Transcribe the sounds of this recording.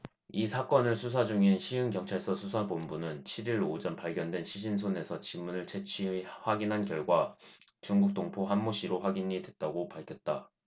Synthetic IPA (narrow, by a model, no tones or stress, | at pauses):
isʰak͈ʌnɯɭsʰus̬ʰad͡ʑuŋinɕʰiɯŋkjʌŋt͡ɕʰaɭs͈ʌsʰusʰabombunɯnt͡ɕʰiɾiɾod͡ʑʌnpaɭɡjʌndwe̞nɕʰiɕ̬ʰins̬ʰone̞sʰʌt͡ɕimːunɯɭt͡ɕʰe̞t͡ɕʰihwaɡinɦankjʌɭɡwa | t͡ɕuŋɡuk̚t͈oŋpʰoɦanmoɕʰiɾoɸwaɡiɲidwet̚t͈aɡopaɭkʰjʌt̚t͈a